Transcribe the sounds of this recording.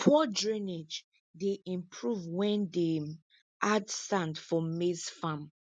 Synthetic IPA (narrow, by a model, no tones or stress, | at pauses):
pʰɔdɹined͡ʒ | deʔĩmpʰɹuvwɛ̃nde | ʔadsãndfɔ̃esfãm